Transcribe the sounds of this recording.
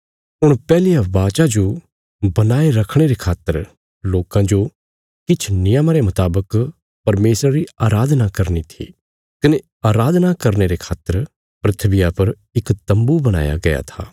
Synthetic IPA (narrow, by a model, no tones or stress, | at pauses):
ʊɽ̃pɛːlijabaːt͡ʃad͡ʒo | bɐnaːeɾɐkʰɽ̃eɾekʰaːt̪ːəɾ | loːkãd͡ʒo | kɪt͡ʃʰnɪjəmaɾemɐt̪aːbək | pɐɾmeːsɾaɾiaːɾaːd̪ʱnakɐɾnit̪ʰḭ | kɐne | aːɾaːd̪ʱnakɐɾneɾekʰaːt̪ːəɾ | pɾɪt̪ʰʋɪjapɐɾ | ɪkt̪ɐ̃mbubɐɽ̃a̰ːja̰ɡɐja̰t̪ʰa̰ː